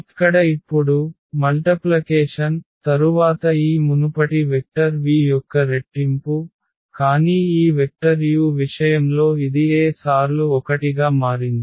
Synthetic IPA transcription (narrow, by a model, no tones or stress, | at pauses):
ɐkːɐɽɐipːuɽu | mɐlʈɐplɐkeːʂɐnt̪ɐɾuʋaːt̪ɐiːmunupɐʈiʋek̚ʈɐɾʋiːjɔkːɐɾeʈːimpu | kaːniːiːʋek̚ʈɐɾjuːʋiʂɐjɐmlo̞ːid̪ieːsaːɾluɔkɐʈiɡaːmaːɾind̪i